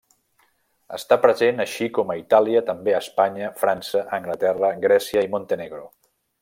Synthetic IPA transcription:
ə̰st̪apɾəzenəʃikɔməit̪aliət̪əmbeəspaɲəfɾansəʔəŋɡlət̪ɛrəɡɾɛsiəimont̪eneɣɾo

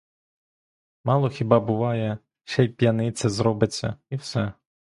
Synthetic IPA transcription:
mɑlˠɔxʲibɑbʊʋɑjɛ | ʃɛjpjɐnɪt̪sʲɪzɾɔbɪt͡sʲːɐ̰iwsɛ

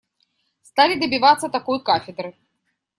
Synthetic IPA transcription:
st̪alʲid̪ɐbʲivat̪sːɐt̪akɔjkafʲɛd̪ɾɨ

